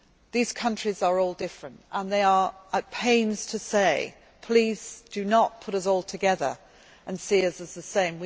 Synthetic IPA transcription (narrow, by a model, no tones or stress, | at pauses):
ðiz̥kʰʌ̃nt͡ʃɹ̥izə˞ɔlˠdɪfɹə̃ntʔə̃nðeɪə˞ət̚pʰẽɪ̃nz̥tʰɨseɪ | pʰl̥iz̥d̥ɨnət̚pʰʊɾʌs̬ɔlˠtʰɨɡɛðə˞ | ʔə̃nsiʌsɨzðəsẽɪ̃mwi